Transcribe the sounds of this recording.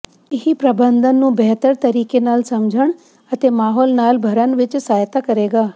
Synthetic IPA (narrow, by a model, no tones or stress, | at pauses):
ɪɦipɾəbənd̪ənːũːbɛːt̪əɾt̪əɾiːkeːnaːlsəmd͡ʒʱəɳ | ət̪eːmaːɦɔːlnaːlbʱəɾənʋɪt͡ʃsaːjt̪aːkəɾeːɡaː